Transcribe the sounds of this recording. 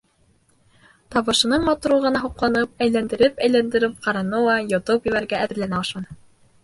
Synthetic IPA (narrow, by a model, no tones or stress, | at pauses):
t̪ɑβɤ̆ʃɤ̆nɤɴmɑt̪uɾuʁɤ̆nɑɦuqlˠɑnɤp̚æjlænd̪ɘ̆ɾɘpæjlænd̪ɘ̆ɾɘp̚qɑɾɑnowɑjot̪opjɘ̆βæɾɡæʔæðɘ̆ɾlænæɑʃmɑnɤ